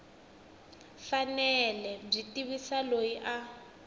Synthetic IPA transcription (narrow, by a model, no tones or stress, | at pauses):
fanɛlɛb͡ʐitiβisalojiʔa